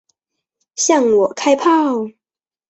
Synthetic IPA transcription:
ɕjɑ˥˨ŋwɔ˨˩kʰa˥ɪpʰa˥˨ʊ

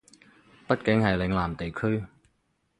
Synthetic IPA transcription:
pɐ˥t̚kɪ˨˥ŋhɐ˨jlɪ˨˥ŋlaː˨˩mt̪e˨jkʰɵ˥ɥ

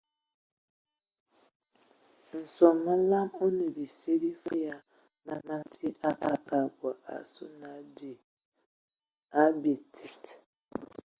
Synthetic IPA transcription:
n̩˨sɔ˨ma˦la˦mo˦nu˨bi˨se˦bi˦fa˦ja˦ | ma˨ma˦tʰi˦a˦ʔa˨ka˨ɡʷa˨ʔa̰˨sṵ˦na˨d͡ʒ | a˦bi˨tʰi˨t

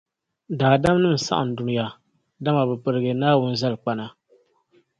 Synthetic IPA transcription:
daː˨da˦m˦nɨ˦m̩˨sa̰˦ʔa̰˨n̩˨dʊ˨ɾja˨ | da˦ma˨bɨ˨pɨ˨ɾɨ˨ɡɨ˨naː˦wʊ˦n˦za˦lk͡pa˦na˨

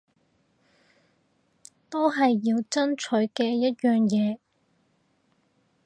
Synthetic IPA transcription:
t̪o˥wɦɐ˨jːiː˧wt͡sɐ˥nt͡ʃʰɵ˨˥ɥkɛː˧jɐ˥t̚jœː˨ŋjɛː˨˧

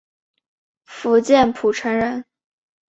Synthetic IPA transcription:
fu˧˥t͡ɕjɛ˥˩npʰu˨˩ʈ͡ʂʰə˧˥ŋɻə˧˥n

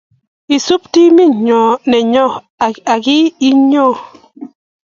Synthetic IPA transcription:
i˨su˦pti˦mi˦ɲɔ˨nɛ˨ɲɔ˦˨ | a˨ɡi˦i˦ɲɔ˦˨

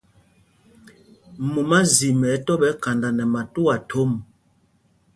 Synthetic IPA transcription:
mu˨ma˦zi˨mɛ˨˦tɔ˦ɓɛ˦ka˨nda˨nɛ˨ma˨tu˦a˨tʰo˦m

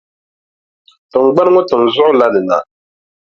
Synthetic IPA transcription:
tɨ˨ŋ˨ɡ͡ba˦n˦ŋɔ˦tɨ˨n˨zɔ˦ʔʊ˦la˦nɨ˨na̰˨

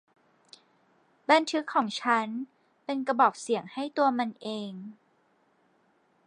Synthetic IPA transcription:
ba˧nt̪ʰɯ˦˥kʰːɔː˩˦ŋt͡ɕʰa˦˥n | pe˧nka˧bɔː˨˩p̚si˨˩˦əŋha˥˩jt̪u˧ɐma˧nʔeː˧ŋ

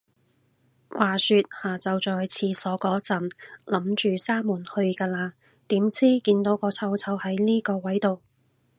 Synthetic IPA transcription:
wʔaː˨syː˧t̚haː˨˩t͡sɐ˨wt͡ʃɔː˨˩jt͡sʰiː˧sɔː˨˥kɔː˨˥t͡sɐ˨˩nlɐ˨˥mt͡ʃyː˨saː˥muː˨˩nhɵ˧ɥkaː˧laː˧ | t̪iː˨˥mt͡sʰiː˥kiː˧nt̪o˨˥wkɔː˧t͡sʰɐ˧wt͡sʰɐ˧whɐ˨˥jniː˥kɔː˧wɐ˨˥jt̪o˨w

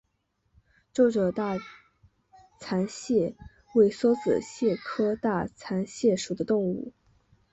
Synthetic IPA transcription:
ʈ͡ʂo˥˩ʊʈ͡ʂə˨˩t̪a˥˩ | t͡sʰa˧˥nɕjɛ˥˩ | we˥˩ɪswɔ˥t͡sɹ̩̰˨˩ɕjɛ˥˩kʰɤ˥t̪a˥˩t͡sʰa˧˥nɕjɛ˥˩ʂu˨˩d̪ə˦t̪ʊ˥˧ŋu˥˩

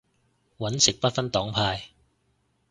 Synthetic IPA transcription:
wɐ˨˥nsɪ˨k̚pɐ˥t̚fɐ˥nt̪ɔː˨˥ŋpʰaː˧j

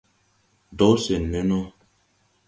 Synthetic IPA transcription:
dɔ˨˦se˨nːɛ˦nɔ˦

